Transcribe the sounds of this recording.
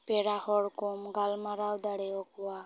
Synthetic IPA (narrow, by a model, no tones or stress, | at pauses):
peɽahɔɽkɔmɡalmaɾawd̪aɽɛɔkuwa